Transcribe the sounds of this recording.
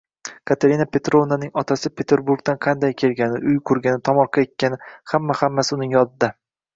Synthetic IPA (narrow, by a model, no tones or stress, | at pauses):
kʰat̪ʰaɾinapʰe̞t̪ɾovnanɪŋɒt̪ʰasɪpʰe̞t̪ʰeɾbʊɾɡd̪anqʰɑnd̪ajkʲʰe̞lɡʲanɪʔʊjkʰʊɾɡʲanɪt̪ʰɒmɒɾqʰɑek̪ʲːanɪhamːahamːasɪʊnɪŋjɒd̪ɪd̪a